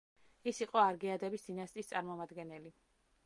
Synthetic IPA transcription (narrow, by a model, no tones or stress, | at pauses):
isiqʼɔaɾɡɛad̪ɛbisd̪̥inast̪ʼist̪sʼaɾmɔmad̪ɡɛnɛli